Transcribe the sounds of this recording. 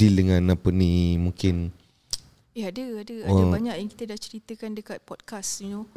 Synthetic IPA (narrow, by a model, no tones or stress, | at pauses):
ildəŋãnapənimuŋkɪn | eɦadəadəadəbaɲãʔjaŋki̥t̪ədaʔt͡ʃəɾit̪əkandəkat̪̚pɔt̪̚kasɲu